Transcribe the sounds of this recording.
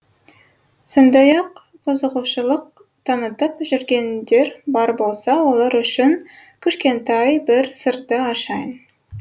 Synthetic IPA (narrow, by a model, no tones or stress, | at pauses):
so̞nd̪ɑjɑq | qʊzəʁuʃəlˠəq̚ | t̪ʰɑnət̪əpʒʏɾɡʲe̞nd̪e̞ɾbɑɾbo̞lˠsɑwo̞lˠɑɾʏʃɪŋ | kʲʰʏʃkʲe̞nt̪ɑjbɪɾsəɾt̪ːəɑʃɑjən